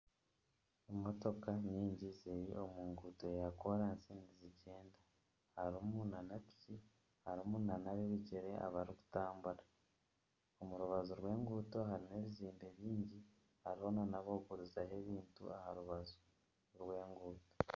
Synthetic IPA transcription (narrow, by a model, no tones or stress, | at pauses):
emo̞to̞kaɲiːɲɟizejio̞muːŋɡuto̞jako̞ɾansiːndiziɟe̞ːnda | haɾumunanati̥ci | haɾumuːnanaβiβiɟeɾe̞ʔa̰βaɾiku̥taːmbuɾa | omuɾuβazoɾɡwe̞ːŋɡuːto̞ɦaɾineβiziːmbe̞βiːɲɟi | haɾiho̞nanaβoɡuɾuzahe̞βiːntṵahaɾuβazo | ɾɡwe̞ːŋɡuːto̥